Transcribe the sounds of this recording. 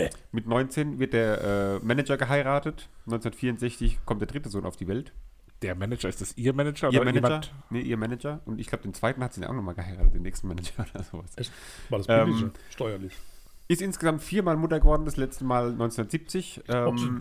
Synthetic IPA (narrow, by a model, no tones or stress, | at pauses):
mɪtnɔʏnt͡seːnvɪɐt̚d̥eːɐʔɛːmɛnɛd͡ʒɐɡəɦaɪʁaːtətnɔʏnt͡sunɐətfiːɐʊntz̥ɛçt͡sɪçkʰɔmt̚d̥eɐdʁɪtəzoːnʔaʊfd̥iːvɛlt | d̥eːɐmɛnɛd͡ʒɐɪstasʔiːɐmɛnɛd͡ʒɐiːɐmɛɛɐnəʔiːɐmɛnɛd͡ʒɐʔʊntʔɪçɡ̥laʊb̥ədeːnt͡sv̥aɪtn̩hatz̥iːdanʔa̰xnɔχmaːlɡəhaɪʁaːtət̚deːnɛːkstn̩mɛnɛd͡ʒɐʔoːdɐzo̰ːvas | asɛːʃtɔʏɐlɪç | ʔɪstʔɪnsɡ̥əzamtfiːɐmaːlmʊtɐɡəvɔɐdn̩daslɛt͡stəmaːlnɔʏnt͡seɛnundɐtziːp̚t͡sɪçʔɛːm